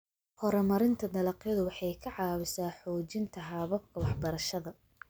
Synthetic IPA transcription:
hɔɾɔmɐɾɪnt̪ʰɐd̪ɐlɐqjɐðʊwɑħɑjkʰɐʕɑːwɪsaːħɔːt͡ʃɪnt̪ʰɐɦɑβɐb̚kʰɐwɑħbɐɾɐʃɐðɐ

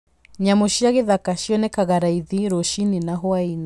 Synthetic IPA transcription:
ɲamoʃiaɣeðakaʃiɔnɛkaɣaɾaiðiɾɔʃininaɦɔaina

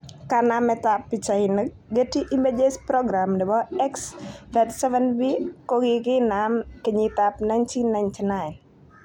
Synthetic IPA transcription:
kanamɛt̪apːit͡ʃain | ɡətiʔimed͡ʒespɾɔɡɾamdɛbɔɛksbɛt̪sɛvɛnbikoɡɪkɪnamkiɲit̪apnajntʰinːajntinajn

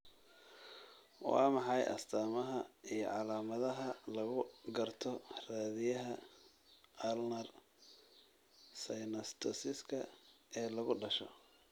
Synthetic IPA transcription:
wɑ̰ːmɑħɑjʔɐ̰st̪ʰaːmɐɦɐijɞ̰ʕɑlaːmɐðɐɦɐlɐɣʊɡɐrt̪ʰɔraːðɪjɐɦɐ | ɐlnɐr | sɐjnɐst̪ʰɔsɪskʰɐɛːlɐɣʊɖɐʃɔ̰

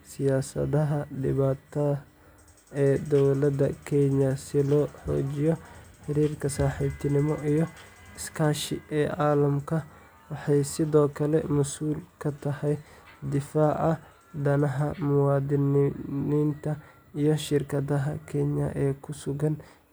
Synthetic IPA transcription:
sɪjaːsɐ̰ðɐɦɐd̪ɪ̰βaːt̪ʰɐ | ɛːd̪ɔwlɐd̪ɐkʰɛɲɐsɪlɔːħɔ̰ːt͡ʃɪjɔħɪɾiːrkʰɐsaːħiːbt̪ʰɪnɪmɔʔijɞ | ɪskʰaːʃɪ̰ɛːʕɑːlɐmkʰɐ | wɑħɑjsɪðɔːkʰɐlɛ̰mʊsuːlkʰɐt̪ʰɐhɛj | d̪ɪfaːʔɐ | d̪ɐnɐɦɐmʊwɑːd̪ɪnniːnt̪ʰɐ | ijɞʃɪrkʰɐðɐɦɐkʰɛɲɐ̰ʔɛːkʰʊsʊɣɐn

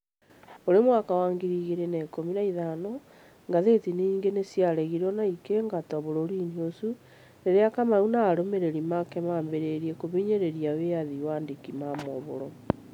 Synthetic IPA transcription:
oɾemwakawaːŋɡiɾiɣeɾenekominaiðanɔ | ŋɡaðetiniːŋɡenesjaɾɛɣiɾɔnaikeŋɡatɔβoɾoɾiniosu | neɾeakamaunaːɾomeɾeɾimakɛmaːmbeɾeɾiekoβeɲeɾeɾiaweaðiwaːndikimamoβoɾɔ

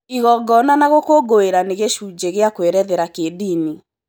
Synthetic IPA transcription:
iɣɔɡɔnanaɣokoɡoeɾaneɣeʃud͡ʒeɣeakweɾɛðɛɾakedini

